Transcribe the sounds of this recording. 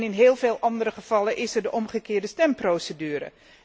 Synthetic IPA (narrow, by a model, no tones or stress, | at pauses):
nɪnɦeːlˠveːlˠʔɑndərəχəv̥ɑləʔɪsərdəʔɔmχəkɪːɹdəstɛmprosədyːɾə̰